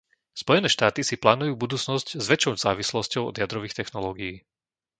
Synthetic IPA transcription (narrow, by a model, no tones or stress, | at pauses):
spɔjɛnɛːʃt̪aːt̪isiplaːnujuːbud̪uːt͡snɔsczʋɛt͡ʃɔʊzaːʋislɔscɔʊɔ̰d̪jad̪ɾɔʋiːxt̪ɛxnɔlɔːɡijiː